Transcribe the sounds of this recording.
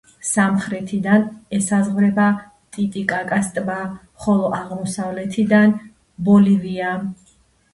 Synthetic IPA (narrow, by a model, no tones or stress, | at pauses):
samχɾɛt̪ʰid̪anɛsazʁvɾɛba | t̪ʼit̪ʼikʼakʼast̪ʼba | χɔlˠɔʔaʁmɔsavlɛt̪ʰid̪an | bɔlivia